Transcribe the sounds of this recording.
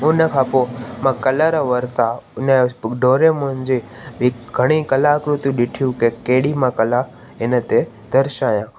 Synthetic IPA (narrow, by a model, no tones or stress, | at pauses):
ũnekʰapomãkəlaɾaʋəɾt̪aneɖʱoːɾemond͡ʒe | biɡʱəɽ̃ikəlakɾut̪jũɗɪʈʰjũkekeːɽimãkəla | enet̪e | d̪̥ʱəɾʃaːjãː